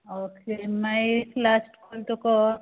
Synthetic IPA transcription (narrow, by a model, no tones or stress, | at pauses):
oːkemajeklasʈkolʈukɔ